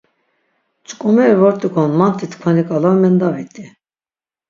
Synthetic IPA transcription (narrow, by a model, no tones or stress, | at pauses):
t͡ʃʼkʼɔmɛɾvɔɾt̪ʼiɡɔnmant̪ʰʼit̪ʰkʰanikʼalavmɛnd̪avit̪ʼi